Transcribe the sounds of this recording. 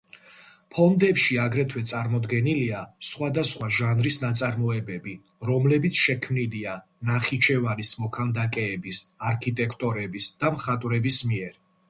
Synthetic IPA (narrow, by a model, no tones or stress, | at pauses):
pʰɔnd̪ɛpʃiaɡɾɛt̪ʰwɛt̪sʼaɾmɔd̪ɡɛniliasχwad̪asχwaʒanɾisnat̪sʼaɾmɔɛbɛbi | ɾɔmlɛbit̪sʰʃɛkʰmnilia | naχit͡ʃʰɛvanismɔkʰand̪akʼɛːbisaɾkʰit̪ʼɛkʰt̪ʼɔɾɛbisd̪̥amχat̪ʼwɾɛbismiɛɾ